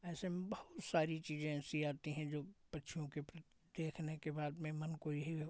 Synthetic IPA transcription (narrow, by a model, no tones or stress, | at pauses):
ɛːsembɐhʊt̪saːɾit͡ʃiːzẽɛːsiaːt̪iɦɛ̃d͡ʒoːpɐtːʃʰijõkepɾ | d̪̥eːkʰnekebaːd̪mẽmɐnkoːiɦi